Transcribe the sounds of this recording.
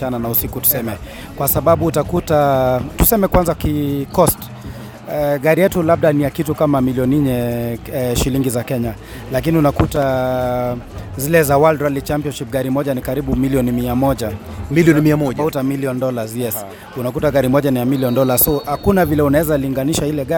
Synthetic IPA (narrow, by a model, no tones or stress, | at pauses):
ananausikutu̥sɛmɛ | kwasaɓaɓuːtakutatusɛmɛkwanzakikɔst | ɡaɾijɛtulaɓ̚ɗanijakitukamamiliɔniɲɛ | ʃiliŋɡizakɛɲa | lakiniunakuta | zilɛzawaldɾalit͡ʃampiɔnʃip̚ɡaɾimɔʄanikaɾiɓumiliɔnimiamɔʄa | miliɔnimiaɔautamiliɔndɔlazjɛs | unak̬utaɡaɾimɔʄanijamiliɔndɔlasɔhakunavilɛunaɛzaliŋɡaniʃailɛɡa